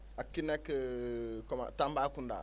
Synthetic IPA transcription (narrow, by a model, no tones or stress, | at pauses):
akːinekkɔma̰tambakunda̰